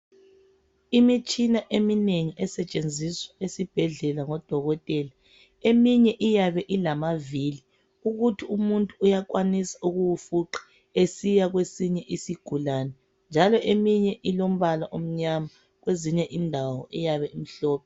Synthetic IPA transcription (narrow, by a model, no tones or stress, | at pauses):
imit͡ʃʼinaʔemineŋiʔɛsɛt͡ʃʼend͡zʱiswaesib̥ʱɛɮɛlaŋɔd̥ʱɔɣɔtʼɛla | emiɲɛʔijaβɛʔilamaviːli | uɣutʰiumuntʼuːjak̬ʼwanisḁuɣuwufuǁḁ | esijaɣwesiɲɛʔisiɡ̥ʱulaːnɛ | nd͡ʒʱalɔʔemiɲɛʔilom̩βalaʔom̩ɲama | ɣweziɲɛʔindʱawɔʔɛjaβɛim̩ɬɔːpʰɛ